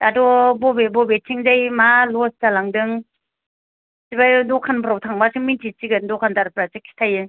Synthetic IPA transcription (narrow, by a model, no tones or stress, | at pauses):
adɔbɔbebɔbetʰiŋzajmalɔstalaŋdɯŋ | sibajdɔkʰanpʰɾawtʰaŋbasɯŋmintʰisiɡɯndɔkʰantaɾpʰɾasekʰːi̥tʰajɯ